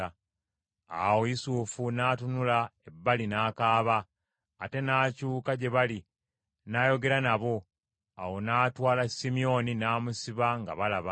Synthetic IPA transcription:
a̰wojisufunaːtunulaebːalinaːkaːβaː | te̞naːcuːkaɟe̞βali | naːjo̞ɡe̞ɾanaβo̞ | a̰wo̞naːtwaːlasimio̞ninaːmusiβaŋɡa̰βalaβa

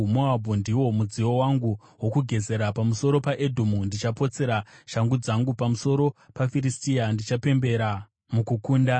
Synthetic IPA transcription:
moabʱundiwo̞mud͡ziwo̞waŋɡu | wo̞kuɡʱe̞ze̞ɾapamuso̞ɾo̞paʔedʱomundit͡ʃapo̞t͡se̞ɾaʃaŋɡud͡zaŋɡupamuso̞ɾo̞pafiɾistiandit͡ʃape̞mbe̞ɾa | mukukuːnda

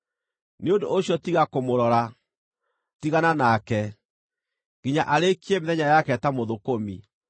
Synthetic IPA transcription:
neondoːɕjɔtiɣakomoɾɔɾa | tiɣananakɛ | ɣiɲaʔaɾekiemeðɛɲajakɛtamoðokomḭ

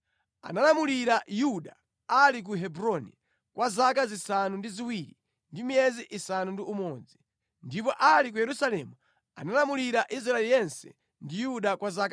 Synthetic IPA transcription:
a̰nalamuliɾajuɗa | alik̬uɦɛbɾɔnḭ | kwʔazakazisanundiziwiɾi | ndimiɛziʔisanundiumɔːd͡zi | ndipɔʔalik̬ujɛɾusalɛmu | a̰nalamuliɾaʔis̬ɾaɛlijɛnsɛ̰ | ndijuɗakwazaka

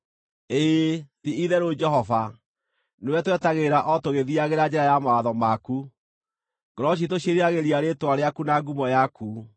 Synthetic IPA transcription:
eðiiðɛɾod͡ʒɛɦɔva | newɛtwɛtaɣeɾaʔɔtoɣeðiaɣeɾad͡ʒɛɾajamaaðɔmaku | ɡ̥ɔɾɔɕ̬itoɕeɾiaɣeɾiaɾetwaɾeakunaɡumɔjaku

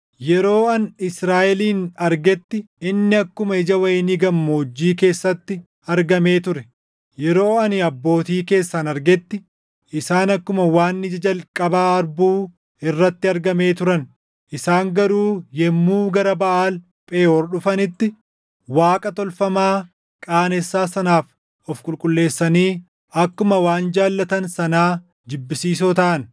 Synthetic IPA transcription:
jɛɾo̞ːɐnɪsɾaːʔɛliːnɐɾɡɛt̪ːɪ | ɪnːɪɐkːʊmɐɪd͡ʒɐwɐjɛniɡɐmːod͡ʒːiːk̬e̞ːsːɐt̪ːɪ | ɐɾɡɐme̞ːt̪ʊɾɛ | jɛɾo̞ːɐnɪɐbːo̞ːt̪iːke̞ːsːanɐɾɡɛt̪ːɪ | ɪsaːnɐkːʊmɐwaːnːɪd͡ʒɐd͡ʒɐlkʼɐbaːɐɾbuː | ɪrːɐt̪ːɪɐɾɡɐme̞ːt̪ʊɾɐn | ʔɪsaːŋɡɐɾuːjɛmːuːɡɐɾɐbɐʔaːl | pʼeːɔɾɗʊfɐnɪt̪ːɪ | waːkʼɐt̪ɔlfɐmaː | kʼaːnɛsːaːsɐnaːf | ɔfkʼʊlkʼʊlːe̞ːsːɐniː | ɐkːʊmɐwaːnd͡ʒaːlːɐt̪ɐnsɐnaː | d͡ʒɪbːɪsiːs̬ot̪ɐʔɐn

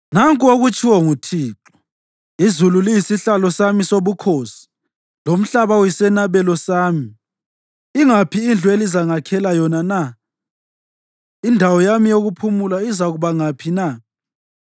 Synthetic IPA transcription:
naŋkʼoɣut͡ʃʰʼiwɔŋutʰiːǁɔ̥ | izululijisiɬalɔsamisoβukʰoːsi̥ | lom̩ɬaβawisɛnaβɛlɔsaːmi | iŋapʰiːnd͡ɮʱwelizaŋakʰɛlajɔnana | indʱawɔjamijoɣupʰumulaizaɣuβaŋapʰina

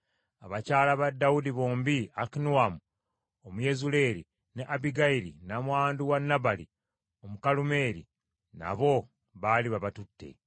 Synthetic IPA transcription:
aβacaːlaβadːawudiβoːmbiakinuwamu | omuje̞zule̞ːɾi | neʔabiɡaiɾḭnamwaːnduwanːabali | omukalume̞ːɾi | na̰βo̞ | βaliβaβatutːe̞̰

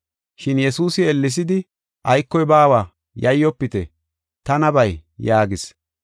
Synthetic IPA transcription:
ʃɪnjɛsuːsɪɛlːɪs̬ɪd̪ɪ | ʔɐjkːɔjbaːwaː | jɐjːɔpːɪt̪ɛ̰ | t̪ɐnɐbɐjjaːɡɪs

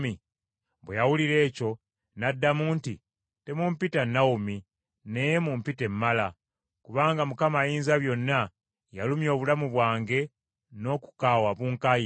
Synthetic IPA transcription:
mi | βwejawuliɾe̞ːco̞ | nadːamuːnti | te̞mumpitanːawumi | nejemumpite̞mːala | kuβaːŋɡamukamajiːnzaβjo̞nːa | jalumjo̞ːβulamuβwaːŋɡe̞ | no̞ːku̥kaːwaβuːŋkaji

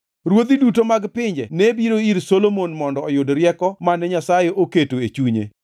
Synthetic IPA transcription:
ɾwod̪idutomaɡpɪɲd͡ʒɛnebiɾoiɾsolomonmɔndɔːjʊdɾjɛkɔmanɛɲasajeʔoketoet͡ʃuɲḛ

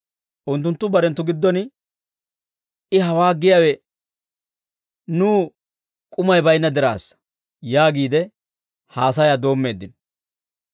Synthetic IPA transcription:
ʔʊnt̪̬ːʊnt̪ːʊbɐɾɛnt̪ːʊɡɪd̪ːɔn | ɪɦɐwaːɡɪjɐwɛ | nuː | kʼʊmɐjbɐjnːɐd̪ɛɾa̰ːs | jaːɡiːd̪ɛ | haːs̬ɐjaːd̪o̞ːmːe̞ːd̪ːɪn

